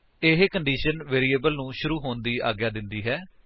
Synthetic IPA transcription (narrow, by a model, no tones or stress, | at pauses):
eɦkəɳɖiːʃənʋeːɾiːeːbəlnũːʃʊɾuːɦoːnd̪iːa̰ːɡjaːd̪ɪnd̪iːɦɛː